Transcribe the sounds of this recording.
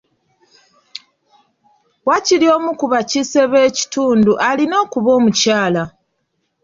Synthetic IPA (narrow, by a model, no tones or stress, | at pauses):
wacilio̞ːmukuβacise̞βe̞ːci̥tuːnduʔalino̞ːkuβo̞ːmucaːla